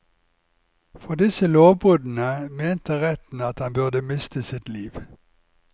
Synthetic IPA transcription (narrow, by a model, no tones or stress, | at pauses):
fɔʁd̪ɪsəloːʋbʁʉːd̪n̩əmeːnt̪əʁɛt̪n̩ɑt̪hɑnbʉʁd̪əmɪst̪ʰəsɪt̪liːʋ